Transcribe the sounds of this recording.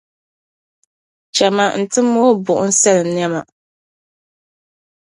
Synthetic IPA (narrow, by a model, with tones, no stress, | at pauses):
t͡ʃɛ˨ma˨n̩˨tɨ˦mo˦bʊ˨ʔʊ˦n̩˦sɛ˦lɨ˨mn˦ɛ˦ma˨